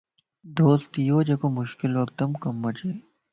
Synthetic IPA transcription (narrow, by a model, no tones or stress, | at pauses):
d̪oːst̪ijoːd͡ʒeːkomʊʃkɪloɐk̚d̪ɐmkɐmːɐt͡ʃeː